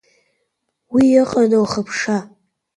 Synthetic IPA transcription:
wiɪqʼanowχəpʰʂa

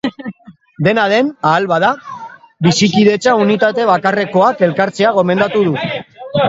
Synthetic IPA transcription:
d̪e̞nað̞e̞naːlβaða | βisikiðe̞t͡ʃaunit̪at̪e̞β̞akare̞ko̞ake̞lkaɾt͡se̞aɣ̞o̞me̞nd̪at̪uð̞u

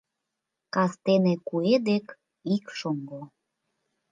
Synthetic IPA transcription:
kɑst̪enekued̪ek | ikʃoŋɡo

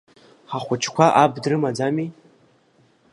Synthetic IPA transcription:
ħaχʷʊt͡ʃʰkʷʰaʔabdrɨmad͡zami

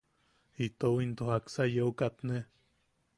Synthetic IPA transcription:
it̪owint̪ohaksajeokat̪ne

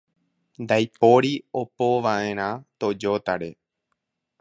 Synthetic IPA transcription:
nd̪ajpoɾiopoʋaʔẽ̞ɾ̃ãt̪o̞d͡ʒot̪aɾe̞

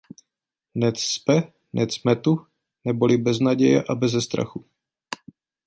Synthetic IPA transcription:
nɛt̪spɛ | nʔɛt̪smɛt̪u | nɛbo̞lɪbɛznaɟɛjɛ̰ʔabɛzɛst̪ɾa̰xu

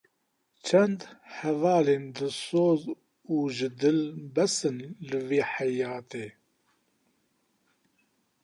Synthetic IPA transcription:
t͡ʃʰɛnd̪hɛvɑːleːnd̪ɨsoːz | uːʒɨd̪ɨlbɛsɨnlɨveːħɛjɑːt̪eː

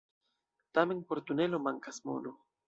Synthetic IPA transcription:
t̪ame̞npo̞ɾt̪une̞lo̞maŋkasmo̰lo

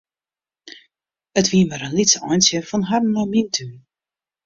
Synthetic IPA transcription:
ətʋiəməɾənlitsɔ̰jnsjəfɔnɦar̩nɔmintʰy

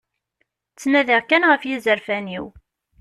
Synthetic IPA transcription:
t͡sːnæðæʁkːænʁəfjizəɾfæniw

